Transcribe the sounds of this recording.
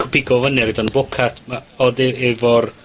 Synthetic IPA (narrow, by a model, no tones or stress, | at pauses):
kʰʊ̥pʰɪɡɔvənɛridɔnbʊkʰatʰmaɔdɛevɔr